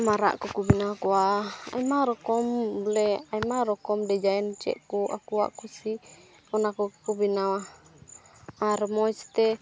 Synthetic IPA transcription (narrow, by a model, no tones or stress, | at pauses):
maɾa̰ʔkukubinakuaa̰imaɾɔkɔmbulɛaimaɾɔkɔmdɛd͡ʒaɛnt͡ʃɛ̰ʔkua̰kua̰ʔkusi | ɔnakukubinawa | aɾmɔist̪ɛ